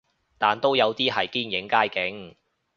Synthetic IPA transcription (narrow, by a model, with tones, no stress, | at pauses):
t̪aː˨˩nt̪o˥wjɐ˨˧wt̪iː˥ɦɐ˨jkiː˥njɪ˨˥ŋkaː˥jkɪ˨˥ŋ